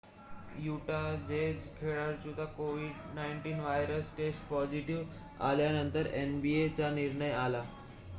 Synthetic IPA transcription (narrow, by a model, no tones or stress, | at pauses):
juʈad̪ed͡zkʰeɭaɾt͡ɕut̪akoʋiɖnajɳʈiːnʋajɾəsʈesʈpɔd͡ʑiʈiʋ | a̰ljanənt̪əɾenbiet͡saniɾɳəjala